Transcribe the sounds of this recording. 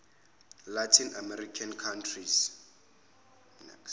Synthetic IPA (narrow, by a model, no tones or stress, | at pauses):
latʰinamɛɾikʰankʰantʰriz | nɛ̰ks